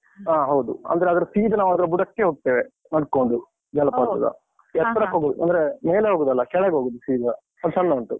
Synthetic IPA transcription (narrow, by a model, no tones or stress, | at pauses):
aːɦɐwd̪uɐ̰nd̪ɐɾeɐd̪ɐɾɐsiːd̪ɐnaːʋuɐd̪ɐɾɐbuɽɐkːeɦoːɡ̚t̪eːʋe | nɐɽkoɳɖu | d͡ʒɐlɐpaːsɐ̰d̪ɐ̰ | ɛt̪ːɐɾɐkɦoːɡod̪uʔɐ̰nd̪ɐɾemeːleɦoːɡod̪ɐlːɐkɛɭeɡɦoːɡod̪usiːd̪ɐ | ɐd̪usɐnːɐɳʈu